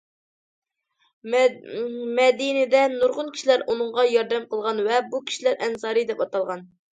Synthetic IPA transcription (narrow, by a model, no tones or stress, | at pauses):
mɛd̪inɪd̪ɛnuɾʁʊnkʲʰi̥ʃilæɾʔunɨŋʁɑjɑɾd̪ɛmqəlˠʁɑnvɛbukʲʰi̥ʃilæɾʔɛnsɑːɾɨd̪ɛpɑt̪ɑlˠʁɑn